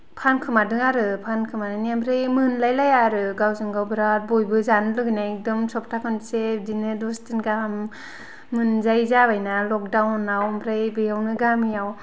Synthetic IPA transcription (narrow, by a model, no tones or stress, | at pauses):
pʰankʰɯmadɯŋaɾɯpʰankʰɯmanɯniambʰɾɯjmɯnlajlajaɾɯɡawzɯŋɡawbɯɾat̚bojbɯzanɯlɯɡɯjnajk̚dɔmsɔp̚tʰakɯnsedinɯdɔstinɡaamː | ɯnzajzabajnalɔk̚dawnawmʰɾɯjbɯjawnɯɡamijaw